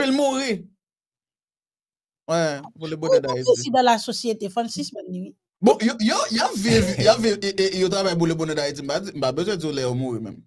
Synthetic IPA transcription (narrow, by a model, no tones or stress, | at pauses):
vilmuʁi | wɛbolebõnɛ̃daiiiid̪ãlasosjet̪efɛ̃nsismɛnːĩwi | bɔ̃jojojavivjaviʔejot̪ʁavajbolebõnẽdaid͡zim̩pad͡zim̩pabezwɛd͡ziolɛjomuɣimɛ̰̃m